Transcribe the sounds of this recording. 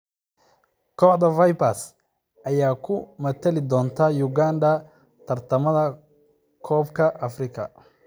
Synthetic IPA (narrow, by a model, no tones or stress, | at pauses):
kʰɔːħd̪ɐvɐjpɐs | ʔɐjaːkʰʊmɐt̪ʰɐlɪd̪ɔːnt̪ʰaːjʊɡaːnd̪ɐ | t̪ʰɐrt̪ʰɐmɐðɐ | kʰɔːbkʰɐʔɐfrɪkʰɐ̰